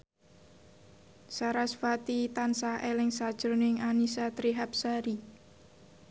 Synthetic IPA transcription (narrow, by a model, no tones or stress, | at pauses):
saɾasfat̪it̪ansahelɪŋsad̥ʒ̥ɾonɪŋanisat̪ɾiɦap̚saɾi